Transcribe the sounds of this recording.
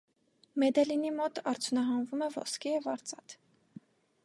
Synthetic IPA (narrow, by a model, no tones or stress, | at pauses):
mɛd̪ɛlinimɔt̪ɑɾt͡sʰjunɑɦɑnvumɛvɔ̰skijɛvɑɾt͡sɑt̪